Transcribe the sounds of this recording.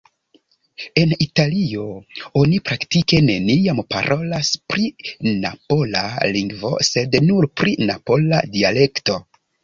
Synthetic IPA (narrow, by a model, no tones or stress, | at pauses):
e̞nitalio̞onipɾaktike̞ne̞niampa̰ɾʔo̞laspɾina̰po̞la̰liŋɡvo̞̰se̞dnuɾpɾinapo̞la̰diale̞kto̞